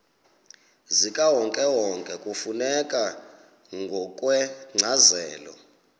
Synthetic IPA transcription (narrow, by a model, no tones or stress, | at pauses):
zikʼawɔŋkʼɛwɔŋkʼɛkʼufunɛkʼa | ŋɡʱɔkʼwɛŋ͡ǀʱazɛːlɔ̰